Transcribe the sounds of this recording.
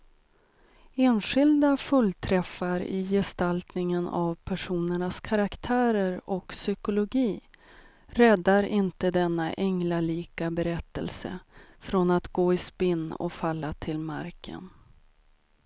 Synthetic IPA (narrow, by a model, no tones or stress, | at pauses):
eːnɧɪld̪afɵlːt̪ʰɾɛfːaɾɪ̰jɛst̪alt̪nɪŋəna̰vpʰæʂuːnəɳaskʰaɾakt̪ʰæːɾəɾɔksʏkʊlʊɡiː | ɾɛd̪ːaɾɪnt̪əd̪ɛnːaʔɛŋlaliːkabɛɾɛt̪ːə̰lsə̰fɾɔnat̪ɡoːɪspɪnːɔ̰falːat̪ʰɪlma̰ɾkʰə̰n